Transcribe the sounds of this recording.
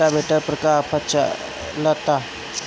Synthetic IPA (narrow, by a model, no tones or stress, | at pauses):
abʱeʈəɾpɾəkapʰat͡ʃa̰ | lət̪a